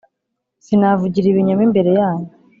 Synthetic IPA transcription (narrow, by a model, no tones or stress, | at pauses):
sinavuɟiɾiβiɲomimbe̞ɾe̞jaːɲo